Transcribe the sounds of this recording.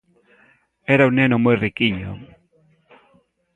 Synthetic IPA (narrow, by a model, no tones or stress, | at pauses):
eɾaunːenomojrikiɲo̰